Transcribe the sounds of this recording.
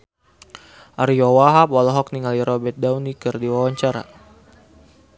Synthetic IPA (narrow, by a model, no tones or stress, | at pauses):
ʔaɾijɔwaɦapalɔɦɔk̚niŋaliɾɔbɛt̪̚dawnikɨrdiwawaɲt͡ʃaɾa̰